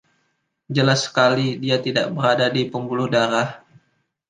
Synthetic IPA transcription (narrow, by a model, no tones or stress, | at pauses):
d͡ʒəlasːə̥kalidiat̪ida̰ʔbəɾadadipəmbulʊhdaɾah